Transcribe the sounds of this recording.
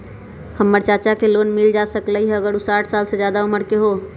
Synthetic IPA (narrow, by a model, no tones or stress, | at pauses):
həmːəɾt͡ʃat͡ʃakelonmɪld͡ʒasəkləɦiɦəɡəɾusaːʈʰsalsed͡ʒjad̪auməɾkeɦo